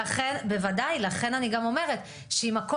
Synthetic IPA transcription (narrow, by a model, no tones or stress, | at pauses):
aχe̞nbe̞vadajlaχe̞naniɡamo̞me̞ʁet | ʃeimako